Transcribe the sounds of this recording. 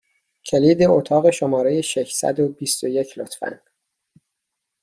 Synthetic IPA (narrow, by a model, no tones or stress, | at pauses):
cʰe̞liːd̪eot̪ʰɒːɣe̞ʃomɒːɾejeʃeʃsæ̰d̪obist̪oje̞cʰlot̪fæ̰n